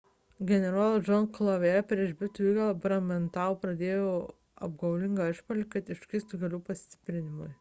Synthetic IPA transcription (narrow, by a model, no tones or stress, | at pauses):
ɡʲɛnʲɛɾɑːlˠɐd͡ʒɔnklˠɐʋʲeɛpʲɾʲiɛʃbʲɪt̪uiːɡɐlˠbɾɐmʲɛnt̪ɑʋpɾɐd̪ʲeːjoː | ɐ̰b̚ɡɐʊlʲɪŋɡɐɪʃpoːlʲikɐt̪ɪʃʲkʲɪst̪ʊɡʲɐlʲuːpɐsʲt̪ʲɪ̥pʲɾʲɪnʲɪmʊɪ